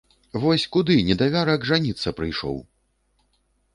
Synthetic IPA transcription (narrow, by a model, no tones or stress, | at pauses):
vɔsʲkud̪ɨnʲɛd̪avʲaɾɐɡʐanʲit̪sːɐpɾɨjʂɔ̰w